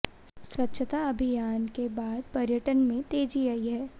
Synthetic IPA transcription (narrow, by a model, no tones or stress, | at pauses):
swɐtːʃʰt̪aɐbʱɪjaːnkebaːd̪̚pɐɾjəʈənmẽt̪eːd͡ʒiaiɦɛː